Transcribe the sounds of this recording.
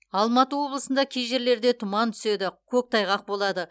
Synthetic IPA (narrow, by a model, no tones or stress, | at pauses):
ɑlˠmɑt̪əwo̞blˠəsənd̪ɑkʲʰejʒe̞ɾle̞ɾd̪e̞t̪ʰʊmɑnt̪ʰʏ̥se̞d̪ɪkʲʰɵk̚t̪ʰɑjʁɑq̚bo̞lˠɑd̪ə